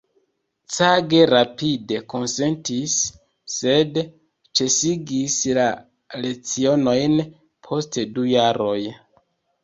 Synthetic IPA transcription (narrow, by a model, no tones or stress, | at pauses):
t͡saɡe̞ɾapide̞ko̞nse̞ntisː | e̞d | t͡ʃe̞siɡisla | le̞t͡sio̞no̞jn | pʰo̞stdujaɾo̞j